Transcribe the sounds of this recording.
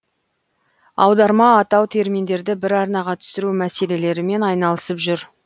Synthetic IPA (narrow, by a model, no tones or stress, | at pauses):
ɑ̰wd̪ɑɾmɑːt̪ɑwt̪ʰe̞ɾmind̪e̞ɾd̪ɪbɪɾɑɾnɑʁɑt̪ʰʏ̥sɪɾumæse̞le̞le̞ɾɪme̞nɑjnɑlˠəsəpʒʏɾ